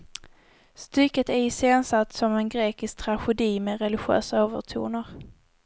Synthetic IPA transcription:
st̪ʏkːət̪æɪseːnsat̪ːsɔmɛnɡɾeːkɪsk̚t̪ʰɾaɧɛd̪iːmɛɾɛlɪɧø̰ːsaøːvə̰ʈʰṵːnaɾ

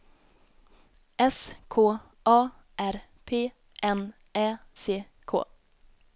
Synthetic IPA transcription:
ɛskʰoː | ʔɑː | ʔæɾ | pʰeː | ʔɛn | eːseː | kʰo̰ː

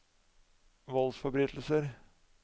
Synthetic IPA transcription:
ʋɔlsfɔbɾiːt̪l̩səɾ

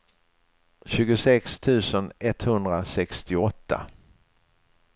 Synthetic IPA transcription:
ɕʉ̟ːɡʊsɛkst̪ʰʉ̟ːsənɛt̪hɵnd̪ɾasɛkst̪ɪɔt̪ʰːa̰

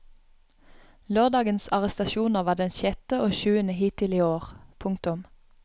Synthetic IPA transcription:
løːʁd̪ɑːɡənsɑʁɛst̪ɑʃuːnəʁʋɑːd̪ɛnʃɛt̪əʔoːʃʉːənəhiːt̪ɪliːoːʁpʰʊŋkt̪ʊm

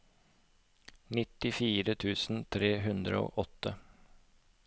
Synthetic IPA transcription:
nɪt̪ɪfiːɾət̪ʰʉːsn̩t̪ʰɾeːɦʉnd̪ɾə̰o̰ːʔɔt̪ə

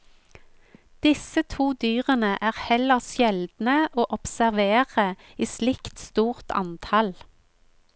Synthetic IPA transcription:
d̪̥ɪsət̪ʰuːd̪yːʁənəʔæːʁhɛləʁʃjɛld̪nəoːʔɔpsæʁʋeːʁə | iːslɪkt̪st̪uːʁt̪ʰɑ̰nt̪ʰɑl

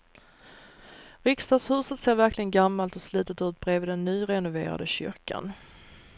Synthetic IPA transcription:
ɾʏkst̪ɑːɡshʉ̟ːsət̪seːɾvæɾklɪɡənɡamːalt̪ɔsli̟ːt̪ət̪ʉ̟ːt̪̚bɾeːvɪːd̪ɛnːyːɾɛnʊvḛːɾa̰d̪əɕʏ̰ɾkʰa̰n

